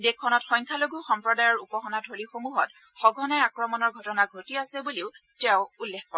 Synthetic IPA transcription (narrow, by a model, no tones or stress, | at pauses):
dekʰːɔnɔtxɔjŋkʰaloɡuxɔmpɹɔdajɔɹupɔxɔnadʱolixomuɦɔtxɔɡʱɔnɛakɹɔmɔnɔɹɡʱɔtɔnaɡʱotiasɛbuleʊtɛʊulːekkɔɹ